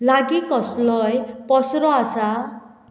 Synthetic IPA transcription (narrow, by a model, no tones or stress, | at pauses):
laɡikɔslɔjpɔsɾɔasa